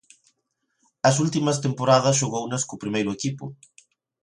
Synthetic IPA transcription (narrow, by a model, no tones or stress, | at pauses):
ɐsult̪imɐs̬t̪empoɾaðɐsʃoɣownɐskopɾimejɾʊekipʊ̰